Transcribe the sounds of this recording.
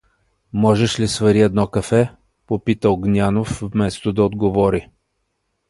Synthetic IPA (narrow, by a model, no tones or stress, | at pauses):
mɔʒɛʃlisvɐɾiɛd̪nɔkɐfɛ | popit̪əoɡnʲanofːmɛst̪od̪ɐod̪ɡovɔɾi